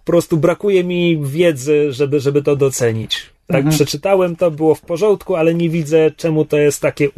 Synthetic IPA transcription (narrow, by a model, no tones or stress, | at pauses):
ɔɔpɾɔst̪ubɾakujɛmʲivʲjɛd̪zɘʐɛbɘʐɛbɘt̪ɔd̪ɔt̪sɛɲit͡ɕ | t̪akpʂɛt͡ʂɘt̪awɛmt̪ɔbɘwɔfpɔʐɔ̃nt̪kualɛɲevʲid̪zɛt͡ʂɛmut̪ɔjɛst̪ːakʲɛ